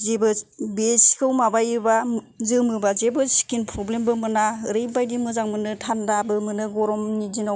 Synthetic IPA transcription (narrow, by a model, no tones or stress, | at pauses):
zebɯbesi̥kʰɯwmabajɯba | zɯmɯbazebɯskinpʰɾɔblembɯmɯnaɾɯbajdimɯzaŋmɯnɯtʰandabɯmɯnɯɡɔɾɔmnizina